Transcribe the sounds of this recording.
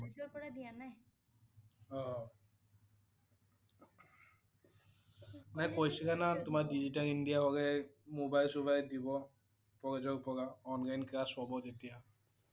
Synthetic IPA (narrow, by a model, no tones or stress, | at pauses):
ɔzɔɹpɔɹadijanaj | ɔ | najkojsɛkanatʊmadizitalindijaɦɔɡɛmobajlsubajdibɔ | pɔɡɛzɔk̚pʰɔɡaɔnlajnkɹasɔbɔzetija